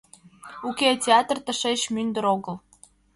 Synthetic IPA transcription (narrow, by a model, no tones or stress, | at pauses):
uketʲeɑt̪rt̪əʃeɕmynd̪əɾoɣəl